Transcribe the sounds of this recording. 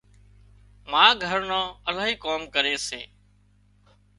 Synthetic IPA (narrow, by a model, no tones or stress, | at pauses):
mãːɡʱəɾnãːəlaːɦiːkoːmkəɾeːsḛː